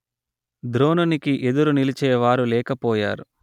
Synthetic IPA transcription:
d̪ɾo̞ːnunikiʔe̞d̪uɾunilit͡ʃɛːʋaːɾulɛːkɐpɔːja̰ːɾu

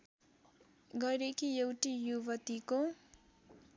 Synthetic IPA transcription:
ɡʌɾekijewʈijubʌt̪iko

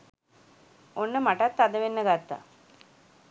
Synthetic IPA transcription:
onːəmaʈat̪ːad̪əʋenːəɡat̪ːa̰

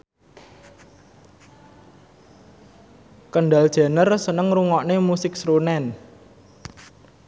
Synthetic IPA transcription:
kəɳɖal̥ʒ̥a̤nərsənəŋruŋɔʔnemusɪk̚sɾunɛn

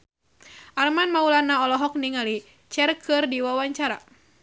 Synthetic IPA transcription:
ʔarmanmaulanaɔlɔɦɔk̚niŋali | t͡ʃɛrkʰɨrdiwawaɲt͡ʃaɾa

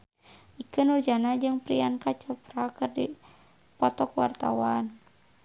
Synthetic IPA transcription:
ʔikɨnud͡ʒanad͡ʒɨŋpɾiankat͡ʃɔpɾakɨrdi | pɔt̪ɔkwa̰rt̪a̰wan

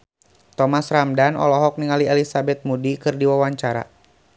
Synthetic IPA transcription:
t̪ɔmasramdanʔɔ̰lɔɦɔk̚niŋaliɛlisabɛt̪̚mudikɨrdiwawaɲt͡ʃaɾa̰

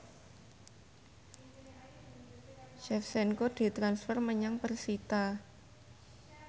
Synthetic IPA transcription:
ʃɛfsɛnkod̪̥i̤t̪ɾansfərməɲaŋpərsit̪a

